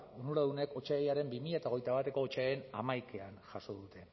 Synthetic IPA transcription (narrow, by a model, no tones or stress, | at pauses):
unuɾaðune̞ko̞t͡ʃaejaɾe̞mbimiʎaet̪ao̞ɣe̞jt̪aβat̪e̞ko̞ːt͡ʃaena̰majkeanʝaso̞ðut̪e̞